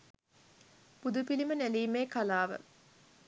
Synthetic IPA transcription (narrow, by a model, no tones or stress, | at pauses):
pud̪upilimənæliːmeːkalaːʋə̰